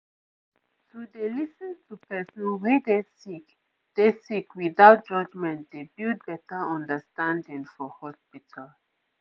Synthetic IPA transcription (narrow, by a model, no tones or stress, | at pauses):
tʰudelisə̃ntʰupɛsə̃nwɛdesik | d̥esikwiðaʊt̚d͡ʒʌd͡ʒmɛ̃ntd̪ebild̚bɛtəɔ̃ndəstãndĩŋfɔhɔspitʰal